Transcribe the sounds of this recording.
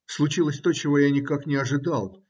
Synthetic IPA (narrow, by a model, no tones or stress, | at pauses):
slˠʊt͡ɕilˠəsʲt̪o̞t͡ɕɪvo̞janʲɪkaknʲɪɐʐɨd̪alˠ